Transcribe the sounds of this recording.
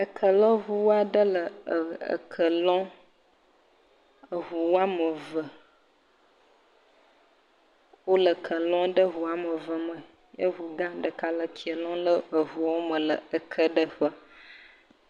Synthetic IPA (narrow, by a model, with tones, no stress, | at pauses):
ə˨kʰə˨lɔ̃˦ɦu˦wa˦ɖə˦lə˨ə̰˨kʰə˨lɔ̃˦ | ə˨ɦu˨wa˦mə˨və˨ | wo˦lə˨kʰə˨lɔ̃˦ɖə˦ɦu˨a˦mə˨və˨mə˨ | jə˦ɦu˨ɡã˦ɖə˨ka˦lə˨kʰi˨ə˨lɔ̃˦lə˦ə˨vu˨wo˦mə˨lə̰˨ə˨kʰə˦ɖə˦ɸə˦